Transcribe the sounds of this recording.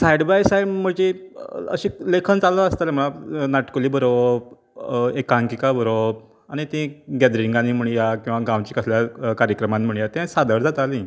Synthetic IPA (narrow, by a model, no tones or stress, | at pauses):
sajɖbajsajməd͡ʑiə̰ɕĩlekʰənt͡saləɾəst̪aleməɭanaʈkoliːbəɾob̚ | ekãŋkikabəɾob | añit̪ĩɡɛd̪ɾiŋɡãnim̤əɳjakĩw̃ʋaɡãwt͡ɕiːkəsljakaɾjəkɾəmãnm̤əɳ̃jat̪ɛ̃sad̪əɽd͡zat̪alĩ